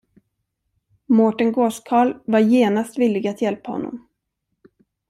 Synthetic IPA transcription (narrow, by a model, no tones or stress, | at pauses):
mɔʈənɡoːskʰɑːɭvaɾjeːnast̪vɪlːɪɡat̪jɛlpahɔ̰nːɔ̰m